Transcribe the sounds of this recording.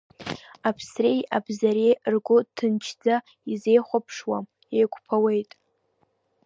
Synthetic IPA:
apʰsrejabzaɾejrɡʷʊtʰɨnt͡ʃʰd͡za | ize̞jχʷapʰʂwam | ejkʷpʰawejtʼ

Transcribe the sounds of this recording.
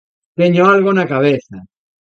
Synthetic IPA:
t̪eɲoalɣonakaβ̞eθa

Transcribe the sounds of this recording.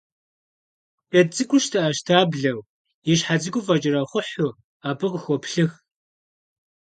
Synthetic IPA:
ʔɐt͡sʼɨkʷʊʃtʰɐʔɐʃtʰaːbɮɐw | jɪɕħad͡zɨɡʷʊfɐt͡ʃʼɪɾɐχʷʊħʊ | aːbɨqxʷɔpɬɨx

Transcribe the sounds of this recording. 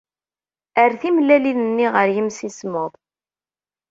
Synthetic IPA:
əɾθimlælinənːiʁəɾjəmsismʊðˤ

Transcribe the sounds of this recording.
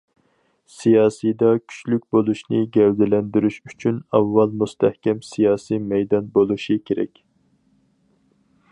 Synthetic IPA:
sijɑːsijd̪ɑkʲʰy̥t͡ʃlykʲbolˠuʃnɨɡʲɛwd̪ɪlɛnd̪yɾyʃyt͡ʃʰynɑvːɑlˠmust̪ʰɛhkʲɛmsijɑːsimɛjd̪ɑnbolˠuʃikʲʰeɾɛ̰kʲ

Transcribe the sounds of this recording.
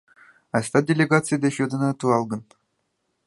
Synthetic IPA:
ɑsʲt̪ɑdʲelʲeɡat͡sɨjd̪ʲeɕud̪ɤ̆nɑt̪uɑlˠɡɤ̆n

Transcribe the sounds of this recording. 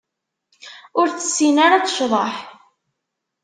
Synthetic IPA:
ʊɾt͡sə̥sːinaɾat͡sʃðˤəħ

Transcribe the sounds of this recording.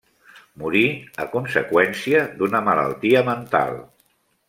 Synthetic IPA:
muɾiəkunsəkwɛnsiəd̪unəmələ̰lˠt̪iəmənt̪a̰lˠ

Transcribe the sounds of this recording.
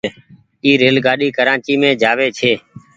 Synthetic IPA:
iːɾeːlɡaːɗiːkəɾãːt͡ʃiːmẽːd͡ʒʱaːʋeːt͡ʃʰeː

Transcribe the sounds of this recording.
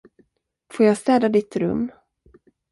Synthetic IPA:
foːɾjast̪ɛːd̪ad̪ɪt̪ɾɵ̰mː

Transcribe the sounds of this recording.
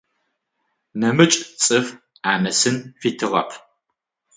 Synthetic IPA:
nɐmɨt͡ʃʼt͡sʼɨf | aːnɐsɨnfiːtʰɨʁɐ̰pʰ

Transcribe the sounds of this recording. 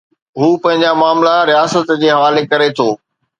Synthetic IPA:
ɦuːpɐ̃ɦɪ̃ɲ̆d͡ʑamaːmlaɾijaːsət̪d͡ʑeːɦɐʋaːlekɐɾet̪ʰoː

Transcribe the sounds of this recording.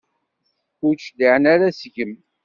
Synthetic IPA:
kut͡ʃliʕənaɾasʝəm

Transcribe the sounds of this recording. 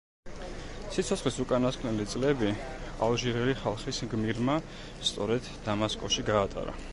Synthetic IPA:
sit̪sʰɔtsχlisukʼanaskʰnɛlit̪sʼlɛbi | alˠʒiɾɛliχalˠχisɡmiɾma | st̪sʼɔɾɛd̪ːamaskʼɔʃiɡaːt̪ʼa̰ɾa̰

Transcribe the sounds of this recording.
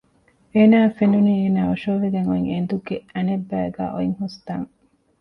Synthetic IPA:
eːnaːfenuniːeːnaːoʃoːʋeɡeŋoiŋend̪uɡeɐnebːæːɡæ̰ːʔo̰iŋhust̪aŋ

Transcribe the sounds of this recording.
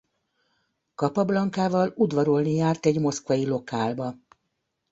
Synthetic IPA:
kɒpɒblɒŋkaːvɒlud̪ʋɒɾolnijaːrt̪ɛɟmo̞skʋɒilo̞kaːlbɒ

